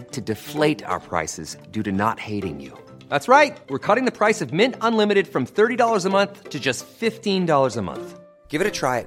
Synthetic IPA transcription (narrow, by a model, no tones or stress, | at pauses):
tʰɨdɨfleɪɾa̰ʊə̰˞pʰɹ̥a̰ɪsɨzdʉɾɨnə̰t̚heɪɾɪ̰̃ŋjṵ | ðætsɹaɪt̚wɨɹkʰʌɾɪ̃ŋðɨpʰɹ̥aɪsʌvmɪ̃ntə̃nlɪ̃mɨɾɨd̥fɹʌ̃mθɜ˞ɾidɔlˠə˞zəmʌ̃nθtʰɨd͡ʒʌstfɪftĩndɔlˠə˞zəmʌ̰̃nθ | ɡ̥ɪvɨɾɨtʰɹ̥aɪɨt̚